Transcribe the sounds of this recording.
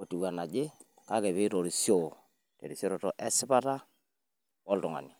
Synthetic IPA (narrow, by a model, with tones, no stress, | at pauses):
o˨tu˨wa˨na˨d͡ʒɪ˦ | ka˦kɛ˨βɪ˦ɾo˨ɾi˨sjo˦˨ | tḛ˨ɾi˨sɔ˦ɾɔ˨tɔ˦ʔɛ˦sɪ˦pa˦ta˦ | ɔ˦ltʊ˨ŋa̰˨ni˨